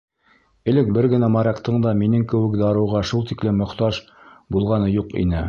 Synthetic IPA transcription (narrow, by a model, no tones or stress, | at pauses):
ɘ̆lɘk̚bɘɾɡɘ̆næmɑɾɑqt̪ɤɴd̪ɑminɘŋkɘ̆wɘ̆kd̪ɑɾɤ̆wʁɑʃulˠt̪iklɘmːŏχt̪ɑʒ | bulˠʁɑnɤjuqḭnɘ